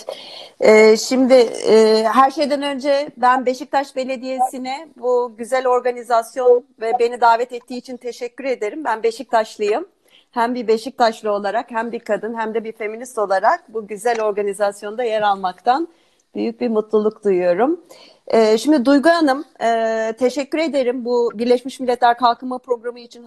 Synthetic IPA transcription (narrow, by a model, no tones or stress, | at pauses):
ɛːʃimd̪ɪː | ɦæɾʃe̞jd̪ænø̞nd͡ʒɛbænbe̞ʃic̚t̪ʰaʃbe̞lʲe̞d̪ije̞sinɪbuɟyzælʲo̞ɾɡanizasjo̞nvɛbe̞nid̪aːvɛt̪ɛt̪ʰːiːt͡ʃʰint̪ʰe̞ʃɛcʰːyɾe̞d̪e̞ɾimbænbe̞ʃic̚t̪ʰaʃlˠɯjɯm | hæmbiɾbe̞ʃic̚t̪ʰaʃlˠɯo̞lˠaɾakhæmbiɾkʰad̪ɯnɦæmd̪ɛbiɾfe̞minist̪o̞lˠaɾak̚buɟyzælʲo̞ɾɡanizasjo̞nd̪ajeɾalˠmakt̪ʰan | b̥yjyc̚biɾmut̪lˠulˠukd̪ujujo̞ɾum | ɛːʃimd̪id̪ujɡuanɯmː | t̪ʰe̞ʃɛcːyɾe̞d̪e̞ɾimbubiɾlʲeʃmiʃmilʲːɛt̪lʲæɾkʰalˠkɯmapɾo̞ɡɾamɯit͡ʃʰin